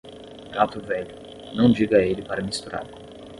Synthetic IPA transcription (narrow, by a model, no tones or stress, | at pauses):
ɡat̪ʊvɛʎʊ | nɐ̃w̃d͡ʒiɡɐelɪpaɾɐmist̪uɾa̰ɾ